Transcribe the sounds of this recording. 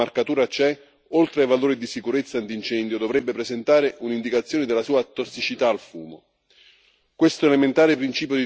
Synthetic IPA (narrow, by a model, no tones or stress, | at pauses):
arkat̪uːɾat͡ʃɛ | olt̪ɾeajvaloːɾid̪isikuɾet̪sːant̪int͡ʃɛnd̪jod̪ovɾɛbːepɾezent̪aːɾɪʔunind̪ikat̪sːjoːnɪd̪ɪlːasuːat̪osːit͡ʃit̪aːlfuːmo | kwest̪ʊelement̪aːɾɪpɾint͡ʃiːp̬jʊd̪i